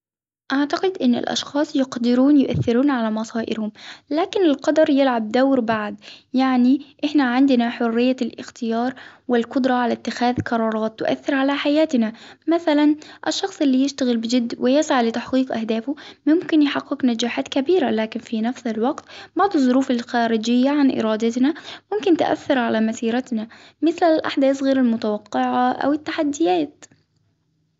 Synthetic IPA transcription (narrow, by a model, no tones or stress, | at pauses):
ʔaʕt̪aqɪd̪ʔɪnːɪ̰lʔɑ̰ʃxɑːsˤjɪqd̪ɪɾuːnjʊʔa̰θːɪɾuːnʕalamɑsˤɑːʔɪ̰ɾhʊmlaːkɪnɪlqɑd̪ɑɾˤjɪlʕab̚d̪awɾbaʕd̪jaʕniʔɪħnaʕɪnd̪ɪnaħʊrːɪjːalʔɪ̰xt̪ɪjɑːɾˤwɪlqʊd̪ɾˤɑʕalat̪ːɪxaːðqɑɾˤɑːɾˤɑːt̪ːʊ̰ʔa̰θːɪɾʕalaħajaːt̪ɪnamaθalanʔɪʃːɑxsˤʔɪlːiːjɪʃt̪aɣɪlbɪd͡ʒɪd̪ːwɪjɪsʕalɪt̪aħqiːqʔa̰hd̪aːfʊmʊmkɪnjɪħɑqːɪqnad͡ʒaːħaːt̪kabiːɾalaːkɪnfinafsɪlwɑqt̪bɑʕd̪ˤɨðˤːʊɾuːfalxaːɾɪd͡ʒɪjːaʕanʔɪ̰ɾɑːd̪at̪namʊmkɪnt̪ɪʔa̰θːɪɾʕalamasiːɾat̪na | mɪθlalʔaħd̪aːsɣeːɾalmʊt̪awɑqːɪʕaʔa̰wɪt̪ːaħad̪ːɪjaːt̪̚